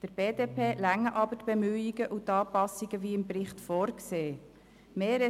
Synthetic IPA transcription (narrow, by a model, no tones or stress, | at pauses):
d̥əɾb̥eːdeːpʰeːlæŋːəʔɑbətb̥ɛmyːiɡəʔʊt̪ɑːpɑsiɡəviːɪmpɾɪχtfɔːɾkseː | meːɾɛ